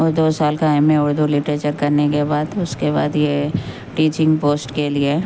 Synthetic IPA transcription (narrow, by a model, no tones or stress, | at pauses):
ɔːɾd̪oːsaːlkaaɪmẽɔːɽd̪ulɪʈɾeːt͡ʃəɾkɐɾnekebaːd̪ʊskeβa̰ːd̪je | ʈiːt͡ʃɪ̃ŋɡpoːsʈkelie